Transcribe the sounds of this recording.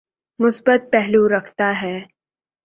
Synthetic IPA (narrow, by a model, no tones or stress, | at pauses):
mʊsbət̪̚pɛɦluɾɐkʰt̪aɦɛː